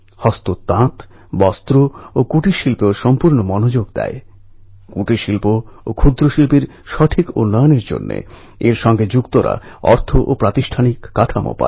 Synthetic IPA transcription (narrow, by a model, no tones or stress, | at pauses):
hɔst̪ot̪ːãt̪ | bɔst̪ɾookuʈiʃilpeoʃɔmpuɾnomɔnod͡ʑoɡd̪ɛ̰e | kuʈiʃilpookʰud̪ɾoʃilpiɾ | ʃɔʈʰikṵnːaoneɾd͡ʑo̰nːḛ | eɾʃɔŋɡed͡ʑukt̪oɾa̰ɔɾt̪ʰoʔopɾat̪iʃʈʰanikːaʈʰamo̰pa̰